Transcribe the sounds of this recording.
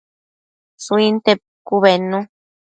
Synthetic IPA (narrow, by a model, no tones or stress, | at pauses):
suint̪e | kuβenũ